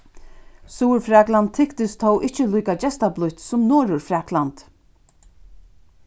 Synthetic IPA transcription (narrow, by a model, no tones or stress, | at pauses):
suːɾfɾaːklant̪ʰːɪkt̪ɪst̪ʰɔwʔɪht͡ʃəluːkat͡ɕɛst̪ablʊjt̪sʊmnɔːɾʊɹfɾaːklant̪